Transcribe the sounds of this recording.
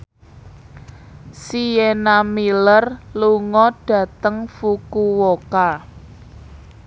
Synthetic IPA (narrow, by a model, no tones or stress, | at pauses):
sijenamilərluŋɔɖ̥ä̤t̪əŋfukuwoka